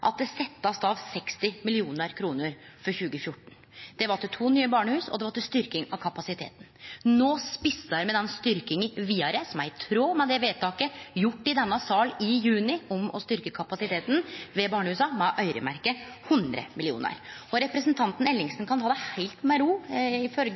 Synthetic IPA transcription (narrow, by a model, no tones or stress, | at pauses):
ʔɑ̰t̪̚d̪ɛsɛt̪ːɑsd̪ɑːʋsɛkst̪ɪmɪlɪuːnəɾkʰɾuːnəɾfɔɾçʉːɡəfjʊʈːɳ̩ | d̪̥ɛʋɑʈ̪ɪlt̪ʰuːnyːəbɑːɳəhʉːsɔ̰d̪ɛʋɑʈ̪ɪlst̪ʏɾkɪŋɑkʰɑpɑsɪt̪ʰḛːt̪nnoːspɪsːəɾmɛd̪ɛnst̪ʏɾkɪŋʋiːɑɾəsɔmæɾɪt̪ʰɾoːmɛd̪ɛʋeːt̪ʰɑːkəjʊʈːɪd̪ɛnːɑsɑːlɪjʉːnɪʊmɔ̰st̪ʏɾkəkʰɑpɑsɪt̪ʰeːt̪n̩ʋɛbɑːɳəhʉːsɑmɛʔœʏɾə̰mæ̰ɾkəhʉnd̪ɾə̰mɪlɪṵːnə̰ɾɔɾɛpɾəsənt̪ʰɑnt̪n̩ɛlːɪŋsənkʰɑnt̪ɑːd̪æhæɪlt̪mɛɾuːɪfœlɡ